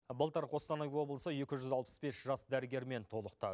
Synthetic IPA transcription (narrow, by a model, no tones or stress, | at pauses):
bəlˠt̪əɾqʰo̞st̪ɑnɑjwo̞blˠəsəje̞kʲɪʒʏzɑlˠpə̥sbe̞sʒɑsd̪æɾɪɡʲe̞ɾme̞nt̪ʰo̞lˠəqt̪ɑ